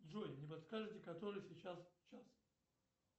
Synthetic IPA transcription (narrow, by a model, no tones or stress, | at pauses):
d̪zojɪnʲɪpɐt̪skaʐɨt̪ʲɪkɐt̪oɾɨjsʲɪt͡ɕast͡ɕas